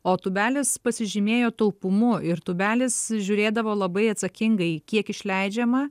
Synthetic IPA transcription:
oːt̪ʊbʲæːlʲɪspɐsʲɪʒʲɪmʲeːjoːt̪ɐʊpʊmʊɪɾt̪ʊbʲæːlʲɪsʒʲʊɾʲeːd̪ɐʋoːlˠɐbɐɪɐt̪sɐkʲɪŋɡɐɪkʲiɛkɪʃʲlʲɛɪd͡ʒʲɛmɐ

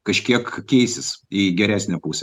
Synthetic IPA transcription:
kɐʃʲkʲiɛkkʲɛɪsʲɪsiɡʲɛɾʲæːsʲnʲɛpuːsʲɛ

